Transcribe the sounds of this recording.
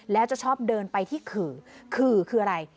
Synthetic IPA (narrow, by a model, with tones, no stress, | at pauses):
lɛː˦˥wt͡ɕa˨˩t͡ɕʰɔː˥˩p̚dɤː˧npa˧jt̪ʰiː˥˩kʰɯː˨˩kʰɯː˨˩kʰɯː˧ʔa˧ɾa˧j